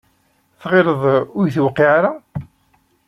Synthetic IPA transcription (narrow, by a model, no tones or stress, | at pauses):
θʁɪɾəðˤʊɾjθwəqːiʕaɾa